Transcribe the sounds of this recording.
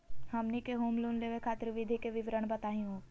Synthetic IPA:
hɐmnikeɦoːmluːnleːʋekʰaːt̪ɾʋɪd̪ʱikeʋɪʋɾəɳ̃bɐt̪aːɦj̃õː

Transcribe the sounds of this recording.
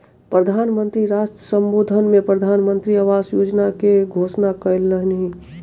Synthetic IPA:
pɾəd̪ʱaːnmə̃nt̪ɾiɾaːsʈɾəsə̃mboːd̪ʱənmẽpɾəd̪ʱaːnmə̃nt̪ɾiaʋaːsjoːd͡ʒnakeɡʱoːsnakəɪlːəɦnɦĩ

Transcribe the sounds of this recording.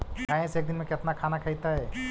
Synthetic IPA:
kaɦẽseeːk̚d̪inmẽket̪nakʰanakʰəjt̪aɦɛ

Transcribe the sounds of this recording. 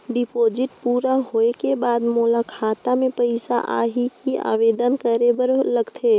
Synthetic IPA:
ɖipoːd͡ʒɪʈpuːɾaɦoːekebaːd̪molakʰaːt̪amẽpəɪsa̰ʔa̰ːɦikia̰ːʋeːd̪ənkəɾebəɾləɡt̪ʰe

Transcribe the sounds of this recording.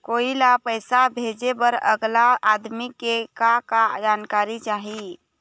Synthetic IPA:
koːilapəjsabʱed͡ʒebəɾə̰ɡlaad̪mikekakad͡ʒaːnkaːɾit͡ʃaːɦi

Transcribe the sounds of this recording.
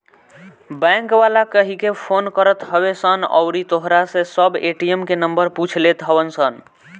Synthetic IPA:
bɛ̃ŋkbalakəɦikepʰonkəɾət̪ɦəβesənɔ̰ʊɾit̪oɦɾasẽsəbeʈiemkenəmbəɾput͡ʃʰlet̪ɦəbənsən

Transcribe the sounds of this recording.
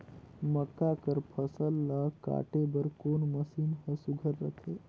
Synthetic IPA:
məkːakəɾpʰəsəlːaka̰ːʈebəɾkoːnməsiːnhəsuɡʱəɾːəkʰe

